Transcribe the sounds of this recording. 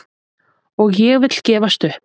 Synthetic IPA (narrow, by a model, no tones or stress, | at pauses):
ɔɣjɛɣvɪt̪l̥cɛːvast̪ʏhp